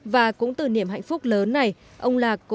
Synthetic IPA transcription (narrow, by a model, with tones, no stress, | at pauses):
vaː˨˩kʊ̰˧˥ŋ͡mt̪ɨ˧˨˩ni˧˩əmɦa̰˧˨jŋ̟fʊ˦˥k͡p̚ləː˨˦nːa˨˩jʔə˧wŋ͡mlaː˨˩kːʊ̰˧˥